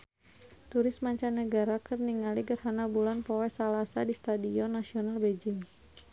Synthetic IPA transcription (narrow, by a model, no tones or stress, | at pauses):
t̪uɾɪsmaɲt͡ʃanːəɡaɾakərniŋaliɡərhanabulanpowɛsalasadist̪adiɔnːasionalbed͡ʒɪŋ